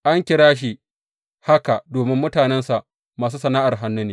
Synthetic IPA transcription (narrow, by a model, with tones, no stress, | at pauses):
ʔa˦ŋkʲɪ˨ɽaː˦ʃ̬i˨ | ha˦ka˨doː˨mɪ˦mːʊ˦taː˨nɛ˦nsa˨ʔ | maː˨s̬uː˦sɐ˨naː˦ʔa˨rɦa˦nːʊ˦neː˨